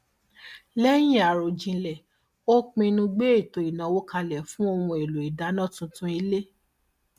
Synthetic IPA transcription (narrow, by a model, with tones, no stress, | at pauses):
lɛ˦j̃ĩ˦a˨ɾo˨d͡ʒĩ˧lɛ˨ | o˦k͡pĩ˧nũ˧ɡ͡be˦e˦˨to˨i˨nã˨˦wo˦kʰa˧lɛ˨fũ˦o˧wũ˧e˨lu˨i˨da˨˦nã˦tũ˧˦tũ˦i˧le˦